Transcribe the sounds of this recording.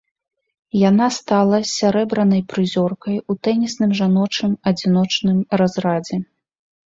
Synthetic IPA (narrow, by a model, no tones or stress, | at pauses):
janast̪alˠɐsʲaɾɛbɾɐnɐjpɾɨzʲɔrkɐjut̪ɛnʲisnɨmʐanɔt͡ʂnɨmɐd͡zʲinɔt͡ʂnɨmrazɾad͡zʲɛ